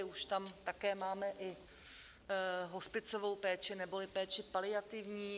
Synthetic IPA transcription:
uʃt̪amt̪akɛːmaːmɛʔɪ | ɦo̞spɪt͡sovo̞wpɛːt͡ʃɪnɛbolɪpɛːt͡ʃɪpalɪat̪ɪvɲiː

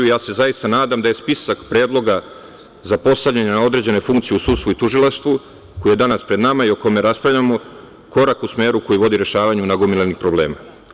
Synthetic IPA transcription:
ujaːse̞zajist̪anaːd̪amd̪aje̞spisakpɾe̞ːd̪lˠo̞ɡa | zapo̞st̪avʎaɲanao̞d̪ɾe̞d͡ʑe̞ne̞fuŋkt̪sijeusuːd̪st̪vuit̪uʒilˠaʃt̪ʋu | ko̞jije̞d̪anaspɾe̞d̪namaio̞ko̞me̞ɾaspɾavʎamo | ko̞ɾakusme̞ːɾuko̞jiʋo̞d̪iɾe̞ʃaːʋaɲunaɡomilenixpɾo̞ble̞̰ːma

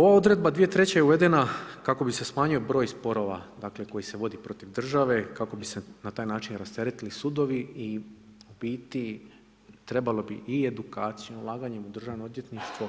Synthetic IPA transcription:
o̞ʋao̞d̪ɾe̞d̪̚bad̪ʋijet̪ɾet͡ɕejeuʋe̞d̪e̞nakako̞bise̞smaːɲujobɾo̞ːjspo̞ɾo̞ʋa̰d̪aːkle̞ko̞jise̞ʋo̞d̪ipɾo̞t̪iʋd̪r̩ʒaʋe̞kako̞bisenat̪aːjnaːt͡ʃinɾast̪e̞ɾet̪ilisud̪o̞ʋii | obiːt̪i | t̪ɾe̞balo̞biʔie̞d̪ukaːt̪sijomulˠaːɡaɲe̞mud̪r̩ʒaʋnood̪ʲje̞t̪niʃt̪ʋo

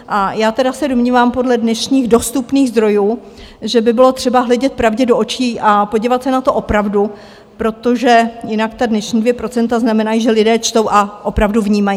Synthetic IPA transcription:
ʔajaːt̪ɛdasɛdomɲiːvaːmpo̞dlɛdnɛʃɲiːɣdo̞st̪upniːɣzd̪ɾo̞juː | ʒɛbɪbɪlo̞t̪r̥ɛbaɦlɛɟɛt̪̚pɾavɟɛdoʔot͡ʃiːʔapo̞ɟiːvat̪sɛnat̪o̞ʔo̞pɾavdu | pɾo̞t̪o̞ʒɛjɪnakt̪adnɛʃɲiːdvjɛpɾo̞t͡sɛnt̪aznamɛnajiʒɛlɪdɛːt͡ʃt̪o̞wʔaʔo̞pɾavduvɲiːmajiː

